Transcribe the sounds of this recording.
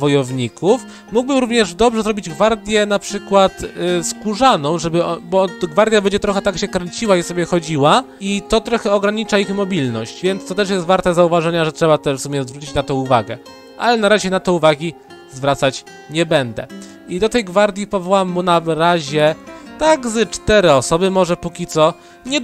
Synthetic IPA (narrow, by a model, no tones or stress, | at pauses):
vɔjɔvɲikʰuf | muɡ̚bɘmɾuvɲɛʐd̪ɔbʐɛzɾɔbʲid͡ʑɡvaɾd̪ʲjɛnapʂɘkwat̪skuʐanɔ̃w̃ʐɛbɘɔbɔɡvaɾd̪ʲjabɛɲd͡ʑɛt̪ɾɔxɛt̪akɕɛkɾɛɲt͡ɕiwaisɔbʲjɛxɔd͡ʑiwa | it̪ɔt̪ɾɔxɛɔɡɾaɲit͡ʂaixmɔbʲilnɔɕt͡ɕvʲjɛnt̪st̪ɔt̪ɛʂ̬jɛst̪vaɾt̪ɛzauvaʐɛɲaʐɛtʂɛbat̪ɛʂfsumʲjɛzvɾut͡ɕit͡ɕnat̪ɔ̃w̃uvaɡɛ̰ | ʔa̰lɛnaɾaʑɛnat̪ɔuvaɡʲi | zvɾat̪sat͡ɕ | ɲɛbɛnd̪ɛ̰ | id̪ɔt̪ɛjɡvaɾd̪ʲjipɔvɔwamːunavɾaʑɛt̪aɡzɛt͡ʂt̪ɛɾɛɔsɔbɘmɔʐɛpukʲit̪sɔ | ɲɛ